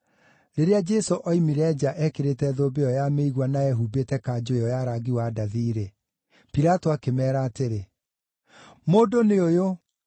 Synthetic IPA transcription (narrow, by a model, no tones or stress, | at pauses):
ɾeɾead͡ʒɛsoʔɔimiɾɛd͡ʑaʔɛkeɾetɛðoːbeɔjameiɣwanaɛɦubetɛkad͡ʑoeɔjaɾaɡiwadaðiɾe | piɾatoakemɛːɾaːteɾe | moːdoneojo